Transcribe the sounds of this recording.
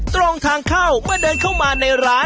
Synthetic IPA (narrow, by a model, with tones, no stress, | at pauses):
t̪ɾo˧ŋt̪ʰaː˧ŋkʰa˥˩wmɯ˥˩ɐdɤː˧nkʰaː˥˩wmaː˧na˧jɾaː˦˥